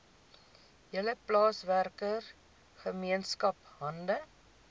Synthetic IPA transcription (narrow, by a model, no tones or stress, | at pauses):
jələplɑːsværkər | χəmiənskɐpɦɐndə